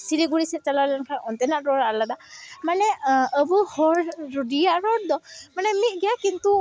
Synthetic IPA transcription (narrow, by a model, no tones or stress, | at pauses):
siliɡuɽisɛt͡ʃalalankʰanɔnt̪ɛnaʔɾɔɹaladamanɛəbuhɔɹːudijaɹɔdɔmanɛmit̪̚ɡɛjakint̪u